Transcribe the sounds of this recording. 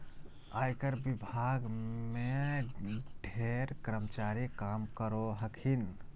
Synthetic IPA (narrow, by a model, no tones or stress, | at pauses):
aːjkəɾbibʱaɡme | ɖʱeɾkɾəmt͡ʃaɾikamkəɾoɦəkʰin